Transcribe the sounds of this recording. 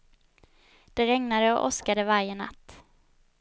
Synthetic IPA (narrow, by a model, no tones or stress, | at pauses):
d̪̥ɛɾɛŋnad̪əɔ̰ʔɔskad̪əvaɾjəna̰t̪ː